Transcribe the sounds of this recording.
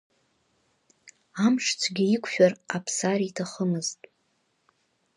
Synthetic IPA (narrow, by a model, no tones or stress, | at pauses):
amʂt͡sʷʰɡʲiikʷʰʼʃᶣarapʰsaritʰaχəmɨztʼ